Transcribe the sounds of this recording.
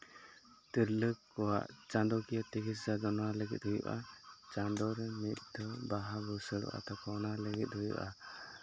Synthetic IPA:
t̪iɾləkːɔwa̰ʔt͡ʃand̪ɔkijɔt̪ɛkiszad̪ɔnɔwaləɡɛ̰t̪̚ɦujṵʔat͡ʃand̪ɔɾɛmit̪̚ˀd̪ɔbaɦaɡɔsəɽɔ̰ʔa̰t̪akɔnaləɡɛt̪̚ɦujṵʔa

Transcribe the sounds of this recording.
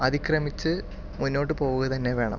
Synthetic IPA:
ɐðikrɐmit͡ɕːɨ | munːo̞ːʈ̬ːɨpo̞ːɣuɣɐt̪ɐnːeʋe̞ːɳɐ̰m

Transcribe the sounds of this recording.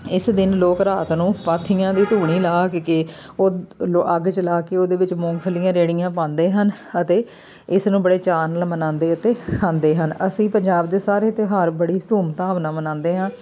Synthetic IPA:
ɪsd̪ɪnloːkɾaːt̪nũːpaːt̪ʰːijãːd̪iːt̪uːɽ̃iːlaːkkeː | oːloʔəɡt͡ʃəlaːkeːoːd̪eːʋɪt͡ʃmʊ̃ŋɡfʰəlijãːɾeːɽɪjãːpãːnd̪eːɦən | ət̪eː | ɪsnũːbəɽeːt͡ʃaːnəlmənãːnd̪eːət̪eːkʰãːnd̪eːɦənəsĩːpəɲd͡ʒaːbd̪eːsaːɾeːt̪eːɦaːɾbəɽiːst̪uːmt̪aːʋnãːmənãːnd̪eːɦãː

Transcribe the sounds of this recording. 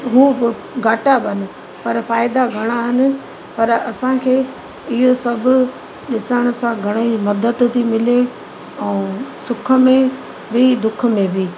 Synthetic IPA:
ɦuːbɪ | ɡʱaːʈabənɪ̆ | pɐɾfaːɪd̪aɡʱɐɽ̃aɦɪnɪ̆ | pɐɾɐsãkʰeː | ɪɦosɐbʱʊ̆ | ɗɪsəɽ̃̆sãɡʱɐɽ̃əimɐd̪əd̪t̪imɪle | ɛ̃ːsʊkʰə̆mẽ | bɪd̪ʊkʰə̆mẽbʱiː

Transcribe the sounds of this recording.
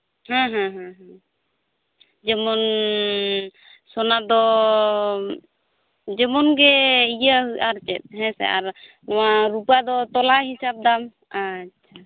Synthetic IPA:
hãɦãɦãɦã | d͡ʒɛmɔn | sɔnad̪ɔ | d͡ʒɛmɔnɡɛijaɦuaɾt͡ʃɛt̪̚ˀɦɛ̃sɛ̰a̰ɾ | nɔwaɾupad̪ɔt̪ɔlaɦisap̚d̪am | atːt͡ʃʰa

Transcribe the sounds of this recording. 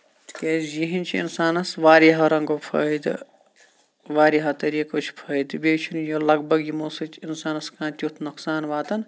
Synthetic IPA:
kʲeːzjiɦint͡ʃʰiḭnsaːnɐsʋaːɾiɦɐɾɐŋɡoːpʰɐid̪ | ʋaːɾiɦɐt̪ɐɾiːkoːt͡ʃʰpʰɐːid̪beːt͡ʃʰunjolɐɡbɐɡjimosɐt͡ʃʰinsaːnɐskãːnt̪ʲut̪ʰnuksaːnʋaːt̪ɐn

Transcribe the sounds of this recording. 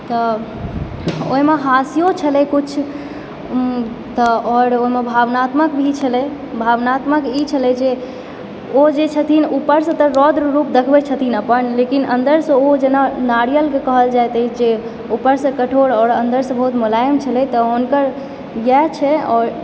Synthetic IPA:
t̪ɔ | oimeɦasijot͡ʃʰəlɛkut͡ʃʰ | t̪ɔɔɾoimebʱaʋnat̪məkbʱit͡ʃʰəlɛ | bʱaʋnat̪məkit͡ʃʰəlɛd͡ʒe | od͡ʒet͡ʃʰət̪ʰinupəɾsə̃t̪əɾɔd̪ɾɾupd̪əkʰbɛt͡ʃʰət̪ʰinəpənlekinə̰nd̪əɾsə̃od͡ʒenanaɽijəlkekəɦəld͡ʒajt̪ɛd͡ʒe | upəɾsə̃kəʈʰoɾɔːɾənd̪əɾsə̃bəɦut̪mulajəmt͡ʃʰəlɛt̪ɔonkəɾ | jɛt͡ʃʰɛɔːɾ

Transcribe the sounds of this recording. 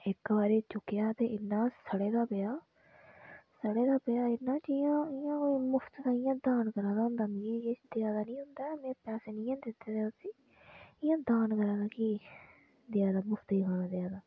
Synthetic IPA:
ɪkbaːɾeːt͡ʃʊkːɪjaːt̪eːʔɪnːãːsəɽeːd̪aːpeaː | səɽeːd̪aːbejaːɪnːãːt͡ʃɪːjãːɪjãːkoimʊpʰt̪d̪aːɪjãːd̪aːnkəɾãːd̪aːɦʊ̃nd̪aːmiet͡ʃd̪eaːd̪aːnĩːɦʊnd̪aːmɛ̃ːpɛːseːnĩːãːd̪ɪt̪ːeːd̪eːiː | ɪjãːd̪aːnkəɾãːd̪aːkiː | d̪ɪaːd̪aːmʊpʰt̪iːɦaːnãːd̪eaːd̪aː

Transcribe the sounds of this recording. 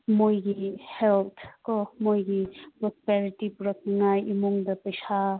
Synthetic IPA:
mojɡihelt̪ʰkɔmojɡipɾɔspɛɾiʈipuɾakiŋajimuŋd̪apəjsʰa

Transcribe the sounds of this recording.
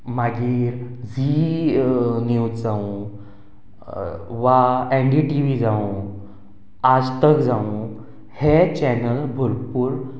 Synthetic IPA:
maɡiːɾd͡zi | niwtd͡zaũ | ʋaeɳɖiʈiʋid͡zaũ | ad͡zt̪əkd͡zaũ | het͡ɕɛnəlbʱuɾpuːɾ

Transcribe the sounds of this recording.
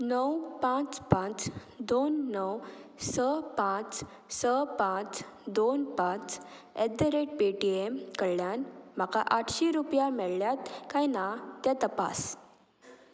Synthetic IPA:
nəwpãt͡spãt͡s | d̪onːəwsəpãt͡s | səpãt͡sd̪onpãt͡s | ed̪əɾeʈ̚peʈiemkəɽljanm̤aka̰ʔaʈʰɕiɾupjamɛɭljat̪kajnat̪jat̪əpa̰s

